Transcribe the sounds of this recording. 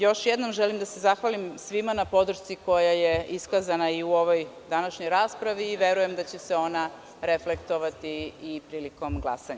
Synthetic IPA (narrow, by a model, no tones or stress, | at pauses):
jo̞ʃjed̪no̞mʒelimd̪ase̞zaxʋalimsʋimanapo̞d̪ɾ̩ʃt̪siko̞jaje̞iskazanaiuo̞ʋo̞jd̪anaʃɲo̞jɾaːspɾaʋiːʋe̞ɾuje̞md̪at͡ɕe̞seo̞na | ɾeflekt̪o̞ʋat̪iːpɾiːliko̞mɡlˠa̰saɲa